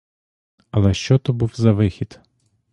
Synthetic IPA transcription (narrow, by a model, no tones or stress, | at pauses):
ɐlˠɛʃt͡ʃɔt̪ɔbuwzɐʋɪxʲid̪